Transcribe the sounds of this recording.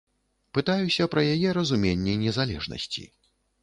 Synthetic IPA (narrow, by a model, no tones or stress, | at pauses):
pɨt̪ajusʲɐpɾɐjajɛɾɐzumʲenʲːɛnʲɛzalʲɛ̰ʐnɐ̰sʲt͡sʲḭ